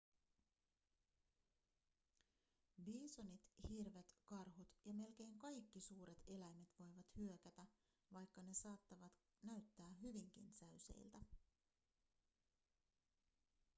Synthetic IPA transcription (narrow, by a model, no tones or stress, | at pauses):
biːsonit̪hirʋe̞t̪kɑrɦut̪jɑme̞lk̟e̞jŋkɑjk̟ːisuːɾe̞t̪e̞læjme̞t̪ʋo̞jʋɑt̪hyø̞kæt̪æ | ʋɑjkːɑne̞sɑːt̪ːɑʋɑt̪ | næɥt̪ːæːɦyʋiŋk̟ḭnsæɥse̞̰jlt̪æ